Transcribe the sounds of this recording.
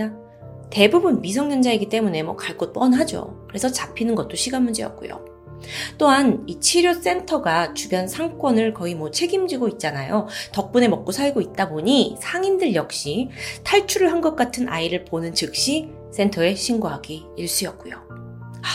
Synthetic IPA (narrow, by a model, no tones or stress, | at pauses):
te̞bubunmis̬ʰʌŋɲʌnd͡ʑaeɡit͈e̞mune̞mwʌ̰kaɭk͈ot͈ʌnɦad͡ʑo̰kɯɾe̞sʰʌt͡ɕapʰinɯnɡʌt̚t͈oɕʰiɡanmund͡ʑejʌ̰k̚k͈ṵjo̰ | t͈oɦanit͡ɕʰiɾjos͈e̞ntʰʌɡat͡ɕubjʌnsʰaŋk͈wʌnɯɭkʌimwʌt͡ɕʰe̞ɡimd͡ʑiɡoit̚t͡ɕ͈anajotʌk̚p͈une̞mʌk̚k͈osʰaɭɡoit̚t͈aboɲisʰaŋindɯɭjʌk̚ɕ͈itʰaɭt͡ɕʰuɾɯɭɦanɡʌk̚k͈atʰɯnʔa̰iɾɯɭponɯnt͡ɕɯk̚ɕ͈i | s͈e̞ntʰʌe̞ɕʰiŋɡoɦaɡi | iɭs͈ujʌk̚k͈ujo̰